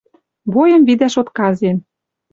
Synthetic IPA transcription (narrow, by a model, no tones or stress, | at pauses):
βojə̆mβid̪æʃot̪kɑzen